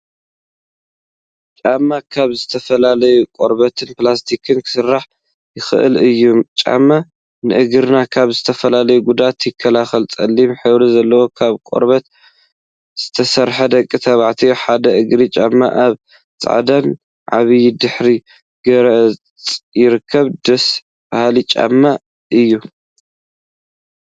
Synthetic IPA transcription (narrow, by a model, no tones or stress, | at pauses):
t͡ʃʼamːakʰaβzɨt̪ʰɐfɐlalɐjukʼoɾbɐt̪ʰɨnplast̪ʰikʰɨnkʰɨ̥sɨrːaħ | jɪxɨ̰ʔɨ̰lɨjːumt͡ʃʼa̰mːa | nɨʔɨɡɨɾnakʰaβzɨt̪ʰɐfɐlalɐjuɡud̪at̪jɪkʰːɐlaxɐlt͡sʼɐlːimħɨβɾizɐlːɐwo̞kʰaβkʼo̰ɾβɐt̪ | z̥ɨt̪ʰɐsɐɾħɐd̪ɐkʼːit̪ʰɐβaʕt̪ʰijoħad̪ɐʔɨɡɾit͡ʃʼamːa̰ʔaβ | t͡sʼa̰ʕd̪an | ʕa̰βɨjɪd̪ɨħɾi | ɡ̥ɐɾɐʔ | t͡sʼjɪɾɨkʰːɐβd̪ɐs | bahlit͡ʃʼa̰mːa | ʔɨjːu